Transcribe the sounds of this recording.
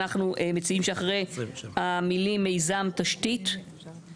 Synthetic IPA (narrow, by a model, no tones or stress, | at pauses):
aχnuʔemet͡siimʃeaχʁejhamilimːe̞jzamtaʃtit